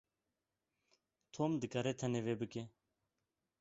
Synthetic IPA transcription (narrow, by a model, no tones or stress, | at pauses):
t̪ʰoːmd̪ɨkaɾet̪ʰɐneʋeːbɨke